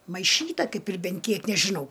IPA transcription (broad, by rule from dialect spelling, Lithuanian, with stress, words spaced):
mɐɪˈʃʲiːtɐ ˈkɐɪp ɪr ˈbʲɛn ˈkʲiɛk nʲɛʒʲɪˈnɐʊ